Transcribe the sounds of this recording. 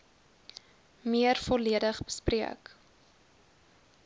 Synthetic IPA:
miərfɔliədəχbəspriə̰k

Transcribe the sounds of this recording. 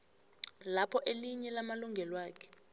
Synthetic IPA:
lapʰɔʔeliɲɛlamaluŋɡʱɛlwaːkʰɛ̥

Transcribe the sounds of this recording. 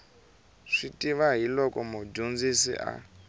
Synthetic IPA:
ʂitʼiʋaɦilɔkʼɔmɔd͡ʒund͡zisḭʔa̰

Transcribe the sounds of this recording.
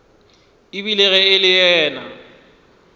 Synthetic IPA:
ibilɛɣɛɪlɪjɛːna̰

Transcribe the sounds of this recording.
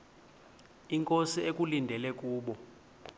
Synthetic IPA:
iŋkʼosiekʼulindʱɛlɛk̬ʼuːɓɔ

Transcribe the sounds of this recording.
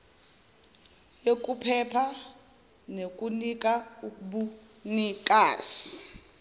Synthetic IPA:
jek̬ʼupʰɛpʰa | nek̬ʼunik̬ʼaukuɓu | nikʼaːsi̥

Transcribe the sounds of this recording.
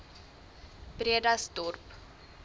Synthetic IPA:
b̥riədɐstɔrp

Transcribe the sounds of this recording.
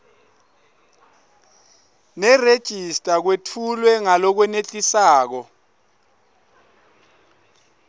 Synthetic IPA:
nɛred̥ʒ̥ʱistʼak̬wetʰulwɛŋalɔk̬wɛnet͡ɬʼisaːk̬ɔ

